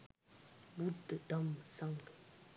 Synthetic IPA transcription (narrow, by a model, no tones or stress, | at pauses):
butːətamsaŋ